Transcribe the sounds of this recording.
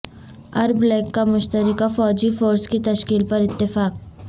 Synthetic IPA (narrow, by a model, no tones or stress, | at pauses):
ɐɾblɛːkːamʊʃt̪əɾɪkafɔːd͡ʒifoːɾskit̪ɐʃkiːlpɐɾɪt̪ːɪfaːk̚